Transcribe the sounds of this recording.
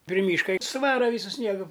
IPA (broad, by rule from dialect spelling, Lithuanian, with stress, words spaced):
pʲrʲɪ ˈmʲiːʃkɐ ɪ sʊˈʋɑːrɐ ˈʋʲiːsʊ ˈsʲnʲiɛɡʊ